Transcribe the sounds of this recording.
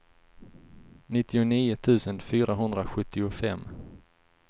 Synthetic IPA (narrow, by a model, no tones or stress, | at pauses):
nɪt̪ːɪʊniːʊt̪ʰʉ̟ːsənfyːɾaɦɵnd̪ɾaɧɵt̪ːɪʊfɛmː